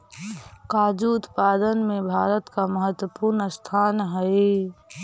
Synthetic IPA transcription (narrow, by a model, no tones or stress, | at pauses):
kaːd͡ʒuʊt̪pad̪ənmẽbʱaːɾət̪kaməɦət̪wəpuɾnəst̪ʰaːnɦəɪ